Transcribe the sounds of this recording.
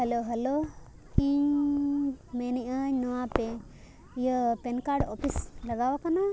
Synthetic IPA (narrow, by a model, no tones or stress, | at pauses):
hɐloɦɐlo | iɲ | meniʔəɲnɔwape | ijəpenkaɾɖɔ̰pislɐɡawakana